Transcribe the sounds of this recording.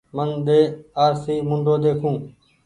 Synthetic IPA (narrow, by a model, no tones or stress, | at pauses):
mənɗ̪eːaːɾsiːmʊnd̪ʱoːd̪eːkʰũː